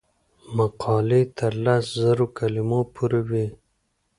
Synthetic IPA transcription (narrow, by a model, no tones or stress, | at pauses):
maqʰɑlet̪ʰəɾlaszaɾokalimopʰuɾawe